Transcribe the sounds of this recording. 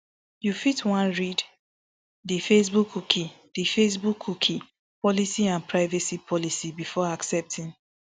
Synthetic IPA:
jufitwãnɹid | difes̬bukʰːuki | d̥ifes̬bukʰːukʰi | pɔlisiãnpʰɹaɪvɛsipʰɔlisibifɔaksɛp̚tʰĩn

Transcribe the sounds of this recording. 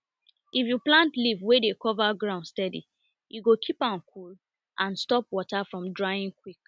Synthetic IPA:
ʔifjuplãntlivwedekɔvaɡɹãʊndstɛdḭ | juɡokʰipãʊ̃nkʰul | ʔãnstɔpwɔtafɹɔ̃mdɹaɪĩŋkwik̚

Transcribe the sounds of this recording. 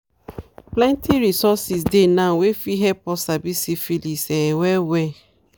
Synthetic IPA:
plɛ̃ntʰiɾisɔsis̬denãwefiɦɛpɔsabisifilisɛwɛwɛ

